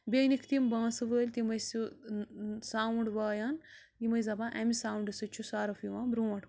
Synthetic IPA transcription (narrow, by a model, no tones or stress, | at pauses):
bʲenikʰt̪imbãːsɨʋəːlʲt̪imɐjsu | saːwuɳɖʋaːjaːn | jimɐjzɐbãʔɛmisaːwɳɖɨsɨt͡ʃʰusaːɾɐfjiʋãːbɾuːɐʈ